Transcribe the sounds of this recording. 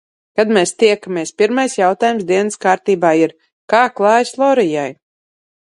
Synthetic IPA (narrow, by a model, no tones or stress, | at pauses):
kad̪mɛːst̪iɛkamʲiɛspʲiɾmajsjawt̪aːjumsd̪iɛnəskaːɾt̪iːbaːiɾ | kaːklˠɑːjslˠɔɾijaj